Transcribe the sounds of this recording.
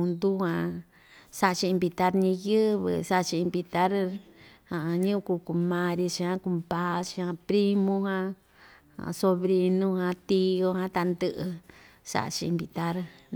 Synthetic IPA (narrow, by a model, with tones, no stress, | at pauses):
ũ˧nd̪u˦hã˧ | sa˦˧t͡ʃiː˧mbi˧t̪a˦ɾɲĩ˧jɨ˦βɨ̰˧sa˦ʔt͡ʃiː˧mbi˧t̪a˦ɾ | ha˨˧ɲũ˦˧ku˧ku˧mã˧ɾi˧t͡ʃi˧hã˦ku˧mpa˦t͡ʃi˧hã˧pɾi˦mũ˧hã˧ | a̰˨so˧βɾi˧nũ˦hã˧t̪i˧jo˧hã˧t̪a˧nd̪ɨ˦ʔɨ˧ | sa̰˧˨ʔt͡ʃḭː˧mbi˧t̪a˦ɾ